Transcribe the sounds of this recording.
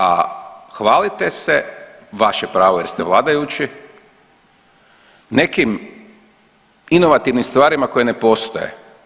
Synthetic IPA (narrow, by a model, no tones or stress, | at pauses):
a̰xʋaːlit̪e̞se | ʋaʃepɾaːʋojeɾst̪eʋlˠaːd̪ajut͡ɕi | ne̞kim | ino̞ʋat̪iʋnimst̪ʋaːɾimako̞jene̞po̞st̪o̰jḛ